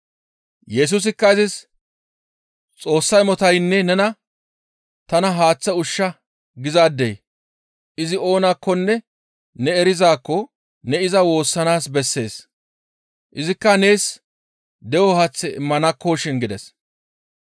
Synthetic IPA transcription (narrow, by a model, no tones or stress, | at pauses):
jɛs̬us̬ɪkːɐɪzɪs | t͡sʼo̞ːsːɐjmɔt̪ɐjnːɛnɛnɐ | t̪ɐnɐɦaːt͡sːɐʊʃːɐ | ɡɪzaːd̪ːej | ʔɪzɪo̞ːnakːɔnːɛ | nɛːɾɪzaːkːɔ | nɛɪzɐwo̞ːsːɐnaːsbɛsːe̞ːs | ʔɪzɪkːɐne̞ːs | d̪ɛwɔhɐt͡sːɛɪmːɐnɐkːoːʃɪnɡɪd̪ɛs